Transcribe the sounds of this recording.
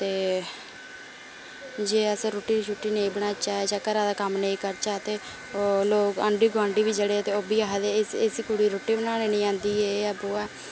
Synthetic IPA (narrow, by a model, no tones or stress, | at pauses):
t̪eː | d͡ʒeːəsɾoːʈiːɾiːt͡ʃʰuːʈːiːnẽĩːbəɽaːt͡ʃaːeːt͡ʃəkːəɾaːd̪aːkəmnəĩːkəɾt͡ʃaːt̪eː | oːloːkə̰ɳɖiːɡãːɳɖiːbiːd͡ʒəɽeːt̪eːoːbiːaːɦed̪eːsesiːkuɽiːɾoːʈːiːbənaːneːnə̃ːãːnd̪iːeːəboːɛː